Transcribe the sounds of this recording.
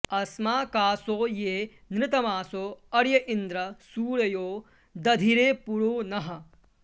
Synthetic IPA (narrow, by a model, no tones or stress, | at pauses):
ɐsmaːkaːsoːjeː | nɾɪt̪ɐmaːsoːɐɾjɐʔind̪ɾɐsuːɾɐjoː | d̪ɐd̪ʱiɾeːpuɾoːnɐɦɐ̆